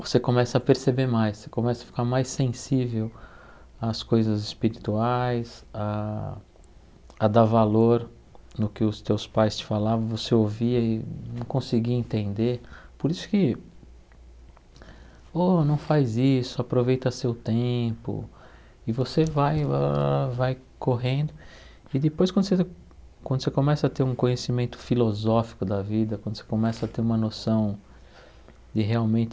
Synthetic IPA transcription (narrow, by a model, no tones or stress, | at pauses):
vosekõmɛsɐːpeɾsebeɾmajssekõmɛsɐfi̥kaɾmajsẽsivew | ɐskojzɐzɪspiɾit̪uajsa | ɐd̪aɾvaloɾ | nʊkɪʊst̪ewspajst͡ʃɪ̥falavɐ̃w̃voseoviɐɪnɐ̃w̃kõsɪɡiẽnt̪ẽnd̪epoɾisʊ̥kɪ | onɐ̃w̃fajzisʊapɾovejt̪ɐsewt̪ẽpʊ̰ | ɪvosevaj | vaj | koɦẽnd̪ʊ | ɪd̪ɪpojskwɐ̃d̪ʊse | kwɐ̃d̪ʊsekõmɛsɐat̪eɾũkõɲesimẽnt̪ʊ̥filozɔfi̥kʊd̪ɐvid̪ɐkwɐ̃nd̪ʊse̥kõmɛsɐt̪eɾũmɐnosɐ̃w̃ | d̪ɪɦeawmẽnt͡ʃ̪ɪ